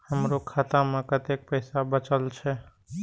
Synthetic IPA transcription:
həmɾokʰat̪amekət̪ek̚pəɪsabət͡ʃəlt͡ʃʰɛ

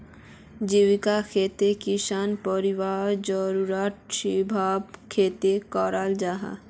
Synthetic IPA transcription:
d͡ʒiwikakʰet̪ekisanpəɾiwaɾd͡ʒɔɾuɾat̪ʃibʱabkʰet̪ekɔɾald͡ʒaɦa̰

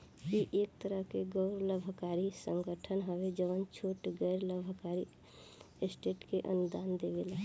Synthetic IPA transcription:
kiʔeːk̚t̪əɾəɦkeɡɔʊɾləbʱəkaːɾisə̃ŋɡəʈʰənɦəʋed͡ʒəʋənt͡ʃʰoːʈɡɛːɾləbʱkaːɾi | sʈeːʈkeʔə̰nʊd̪aːnd̪eːʋelaː

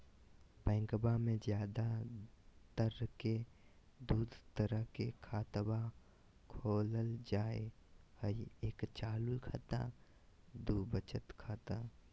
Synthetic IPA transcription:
pɛ̃ːŋɡbamẽzjaːd̪a | t̪əɾke | d̪uːd̪ʱt̪əɾəɦkekʰaːt̪ba | kʰoːləld͡ʒaːehəieːkt͡ʃaːlulkʰaːt̪a̰ | d̪uːbət͡ʃət̪kʰaːt̪a

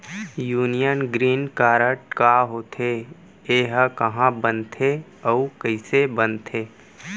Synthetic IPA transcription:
juːnijənɡɾiːnkaːɾəʈkaɦoːt̪ʰe | eːɦkəɦãbənt̪ʰeəukəɪsebənt̪ʰeː

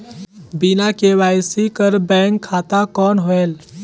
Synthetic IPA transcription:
binakewaːjsikəɾbɛ̃ːŋkʰːat̪akɔːnɦoel

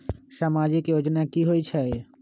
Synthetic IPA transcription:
ʃamad͡ʒikjod͡ʒnakiɦoit͡ʃʰɛ

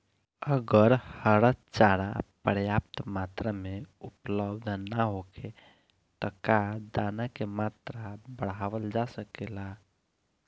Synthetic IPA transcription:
əɡəɾhəɾət̪t͡ʃaɾa̰pəɾjap̚t̪mat̪ɾəmeupləbd̪ʱnaɦoke | t̪ɔkad̪anakemat̪ɾabəɽaʋəld͡ʒasəkela

